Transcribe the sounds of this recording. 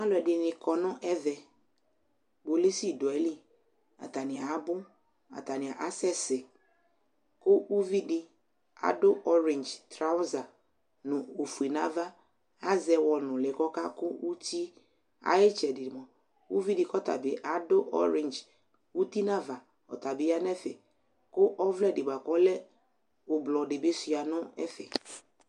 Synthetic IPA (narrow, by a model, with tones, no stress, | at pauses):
a˦lɔ˨ɛ˨dɪ˨nɪ̃˨kɔ˨nʊ̃˦ʔɛ˦vɛ˨ | bo˨le˦si˦˨dʊ˨ɛ˨li˦ | a̰˨t̪a˨nɪ̃˨a˨a˨˦bʊ˦ | a̰˨t̪a˨nɪ̃˨a˨ʔa˦sɛ˦sɪ˨ | kʊ˦ʔu˦vi˦dɪ˨ | a̰˨dʊ˦ʔɔ˦ɾɪ˨nd͡ʒt̪ɾa˦ʊ˦za˨ | nʊ̃˨o˨fu˨i˨nã˦va˦ | a˦zɛ˨wɔ˨nʊ̃˨lɛ˨kɔ˦ka˦kʊ˦wu˦tʰi˦ | a̰˦jɪ˦t͡ʃɛ˨dɪ˨ɪ˨mɔ̃˨ | ṵ˦vi˦dɪ˨kɔ˦t̪a̰˨bɪ˨ʔa˦dʊ˦ʔɔ̰˦ɾɪ̃˨nd͡ʒ | u˦t̪i˦nã˦va˨ | ɔ̰˨ta˨bɪ˨˦a˦n˦ɛ˦fɛ̰˨ | kʊ˦ʔɔ˦vlɛ˦˨dɪ˨ba˨kɔ˦lɛ˦ | ʊ˨blɔ˨dɪ˨be˦sʊ˨a˨nʊ̃˦ɛ̰˦fɛ̰˨